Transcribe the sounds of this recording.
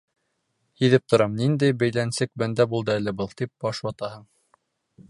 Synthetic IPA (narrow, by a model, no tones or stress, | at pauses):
hiðɘp̚t̪ŏɾɑmnind̪æjbæjlænsɘk̚bænd̪æbulˠd̪ɤælɘbɤlˠt̪ip̚b̥ɒʃwɑt̪ɑhɤɴ